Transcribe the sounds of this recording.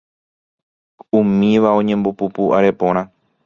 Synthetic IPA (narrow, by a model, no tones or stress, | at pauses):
umĩʋaõ̞ɲẽ̞mbopupuʔaɾe̞põ̞ɾ̃ã